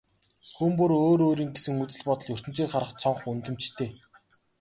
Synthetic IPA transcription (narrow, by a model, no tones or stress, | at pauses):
χumpɵɾoːɾoːɾiːŋɡesɘ̆ŋut͡sɘ̆ɮpɔt̪ɞ̆ɮjɵr̥t̪ɘ̆m̥t͡siːkχaɾʁə̆χt͡sʰɔɴχunt̪ɘ̆m̥t͡ɕt̪ʰeː